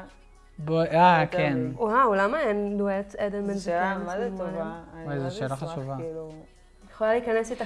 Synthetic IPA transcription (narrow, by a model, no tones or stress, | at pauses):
boakenuaulamaend̪ueted̪enmenamvaajzeʃeːlaχaʃuvakilu | jeχolaliːkanesit̪a